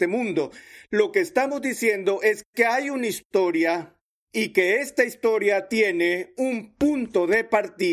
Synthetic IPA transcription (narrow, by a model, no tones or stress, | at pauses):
t̪emũnd̪o̞lo̞keːst̪amo̞zd̪isje̞nd̪o̞ʔe̞ske̞ajunaist̪o̞ɾja | ike̞e̞st̪aist̪o̞ɾjat̪je̞neumpunt̪o̞ðe̞paɾt̪i